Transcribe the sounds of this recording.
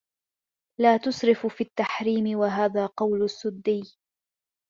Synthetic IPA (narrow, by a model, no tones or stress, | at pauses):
laːt̪ʊsˤɾɪffiːt̪ːaħɾiːmɪwaɦaːðaːqɑwlʊsːʊd̪ːɪj